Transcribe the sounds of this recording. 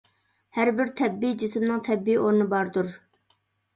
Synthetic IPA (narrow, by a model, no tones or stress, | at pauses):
hæɾbɪɾt̪ʰɛbːijd͡ʒɪsmnɨŋt̪ʰɛbːijʔoɾnɨbɑɾd̪uɾ